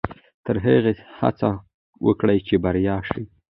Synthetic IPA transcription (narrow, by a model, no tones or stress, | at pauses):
t̪əɾɦəɣeha̰t͡sa | wʔə̰kɽajt͡ʃebaɾjɑʃi